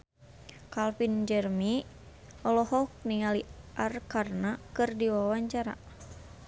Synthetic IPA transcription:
kalfind͡ʒərmi | ɔlɔhɔk̚niŋaliʔarkarnakɨrdiwawaɲt͡ʃaɾa̰

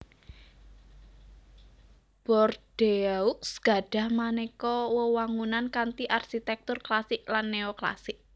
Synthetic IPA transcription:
b̥ɔrd̥eauksɡ̥a̤ɖ̥ä̤hmanekɔwəwaŋunankant̪iʔarʃit̪ɛk̚t̪ʊrklasɪk̚lanːeɔkla̰sɪk̚

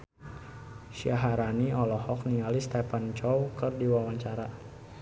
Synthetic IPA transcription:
ʃiaɦaɾaniɔlɔhɔk̚niŋalist̪ɛpant͡ʃɔwkərdiwawaɲt͡ʃaɾa

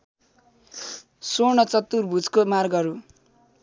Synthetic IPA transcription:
sonʌt͡sʌt̪urbʱud͡zkomarɡʌɾu

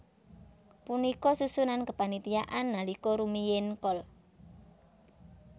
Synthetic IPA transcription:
punikɔsusunankəpanit̪ijaʔanːalikɔɾumijɪnkɔl

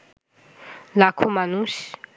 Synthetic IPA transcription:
lakʰomanusi̥

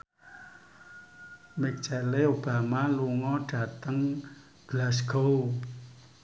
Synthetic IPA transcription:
mɛk̚ʒ̥aleob̥amaluŋɔɖ̥a̤t̪əŋ | ɡ̥lasɡ̥ow

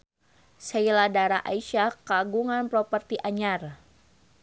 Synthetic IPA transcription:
sɛiladaɾaʔa̰iʃakaɡuŋanpɾɔpərt̪iʔaɲar

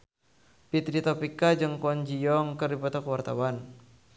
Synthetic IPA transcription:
pit̪ɾit̪ɔpikad͡ʒɨŋkɔnd͡ʒiɔŋkərdipɔt̪akwart̪awan

